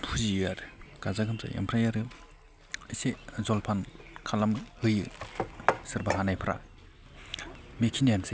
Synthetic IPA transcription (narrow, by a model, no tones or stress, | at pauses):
pʰuziaɾkazaɡʰɯmsʰa̰ʔḛmpʰɾajaɾɯ | isezɔlpʰankʰalamhɯjɯ̰ | sɯɾbaɦanajpʰɾa̰ | mekʰinianse